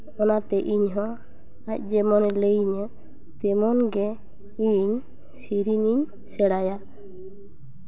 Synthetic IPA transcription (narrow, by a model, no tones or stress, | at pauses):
ɔnat̪ɛʔiɲɦɔ̃ | ac̚ˀd͡ʒɛmɔnɛləjɲə | t̪ɛmɔnɡɛ | iɲ | siɾiɲiɲ | sɛɽaja